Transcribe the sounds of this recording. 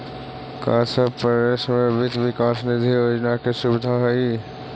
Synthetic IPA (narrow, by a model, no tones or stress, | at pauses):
ka̰ːsəpəɾesmbʱɪt̪ʋɪkaːsnɪd̪ʱijoːd͡ʒnakesubɪd̪ʱaɦɛi